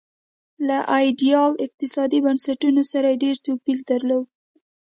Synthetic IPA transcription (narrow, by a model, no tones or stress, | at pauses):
laʔɑjɖijɑlɪq̚t̪ɪsɑd̪ibansaʈunosaɾajeɖeɾt̪opild̪aɾlow